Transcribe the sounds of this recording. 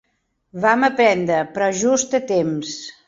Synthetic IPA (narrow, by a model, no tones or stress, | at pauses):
βaməpɾɛnd̪ɾəpɾɔʒust̪ət̪ems